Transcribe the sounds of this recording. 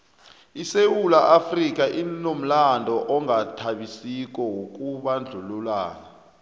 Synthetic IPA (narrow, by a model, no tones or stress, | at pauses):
isewulaʔafrik̬ʼaʔinom̩landʱɔʔɔŋatʰaɓisik̬ʼɔwok̬ʼuɓand͡ɮʱululaːna